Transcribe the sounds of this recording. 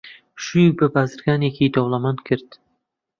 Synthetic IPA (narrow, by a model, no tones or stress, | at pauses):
ʃujbɪbaːzɪɾɡaːnekʰid̪owlˠamankʰɪɾd̪